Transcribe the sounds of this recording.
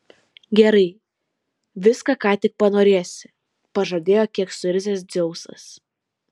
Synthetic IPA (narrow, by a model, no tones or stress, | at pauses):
ɡʲɛɾɐɪ | ʋʲɪskɐkɑːt̪ʲɪk̚pɐnoːɾʲeɛsʲɪ | pɐʒɐːd̪ʲeːjoːkʲiɛksʊɪɾʲzʲesd̪zʲɛʊsɐ̰s